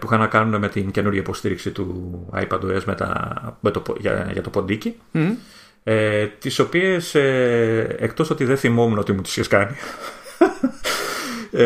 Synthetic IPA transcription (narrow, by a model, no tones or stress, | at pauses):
puixɐnɐkɐnune̞me̞t̪ince̞nuɾʝɐipo̞st̪iɾiksit̪uɐ̰jpɐd̪oezmet̪ɐ̰met̪opʝɐ̰ʝɐ̰t̪o̞po̞nd̪ici | et̪iso̞pie̞se | ek̚t̪o̞so̞t̪iðeθimo̞muno̞t̪imunt̪i̥sçeskɐni